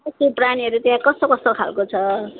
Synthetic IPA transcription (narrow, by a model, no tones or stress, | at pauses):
ʌsopraniʌɾut̪eãkʌst̪okʌst̪okʰa̰lkot͡sʰʌ